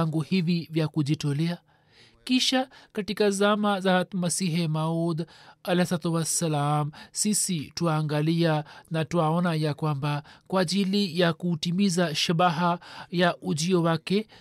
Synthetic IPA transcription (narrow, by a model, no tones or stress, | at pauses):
ŋɡuhivivjakuʄitɔlɛa | kiʃakatikazamazat̪masiɦɛmaud̪alɛhasat̪uwasːalamsisituaːŋɡalianatuaɔnajakwambakwaːʄilijakutimizaʃaɓaɦajaʔuʄiɔwakɛ